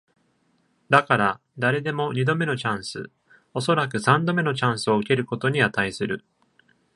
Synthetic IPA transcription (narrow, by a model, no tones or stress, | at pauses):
d̪akaɾa | d̪aɾe̞d̪e̞mo̞ɲ̟id̪o̞me̞no̞t͡ɕãɰ̃sɨ̰ | o̞so̞ɾakɯ̟sãnd̪o̞me̞no̞t͡ɕãɰ̃sɨo̞ɯ̟ke̞ɾɯ̟ko̞t̪o̞ɲ̟iat̪aisɨɾɯ̟